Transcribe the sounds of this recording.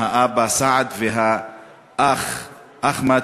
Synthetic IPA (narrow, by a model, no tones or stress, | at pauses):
aʔabasaʕad̪veɦa | ʔaχ | ʔaχma